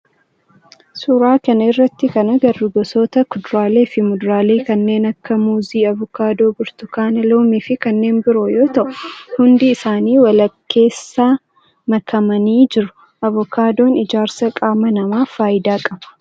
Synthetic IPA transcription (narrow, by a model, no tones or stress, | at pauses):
suɾaːkɐnɐɪrːɐt̪ːɪkɐnɐɡɐrːɪɡɔsoːt̪ɐkʊd̪ɾaːle̞ːfɪmʊd̪ɾaːle̞ːkɐnːe̞ːnɐkːɐmuːziːɐvɔkaːd̪o̞ːbɪɾt̪ʊkaːnɐlo̞ːmiːfɪkɐnːe̞ːnbɪɾojo̞ːt̪ɐʔʊhʊnd̪ɪːsaːniːwɐlɐkʰːe̞ːsːaː | mɐkʰɐmɐniːd͡ʒɪɾʊ̥ | ʔɐvʊkaːd̪o̞ːnɪd͡ʒaːɾsɐkʼaːmɐnɐmaːfaːjɪd̪aːkʼɐbɐ̥